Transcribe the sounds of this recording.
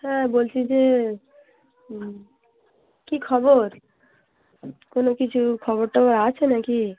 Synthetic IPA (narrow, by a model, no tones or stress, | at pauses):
hɛ̃bolt͡ɕʰid͡ʑe | kikʰɔboɾ | konokit͡ɕʰukʰɔβoɾʈaoɾat͡ɕʰenaki